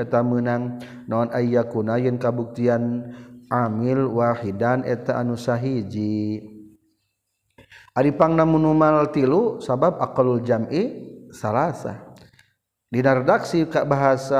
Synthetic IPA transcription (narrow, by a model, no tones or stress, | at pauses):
ɛt̪amənaŋ | naɔnaijakunajənkabuk̚t̪ianamilwahidanɛ̰t̪aʔanusaɦid͡ʒi | ʔadipaŋnamunumalt̪ilusabab̚akluld͡ʒamʔisalasa̰ | dinaɾɛdaksikabaɦasa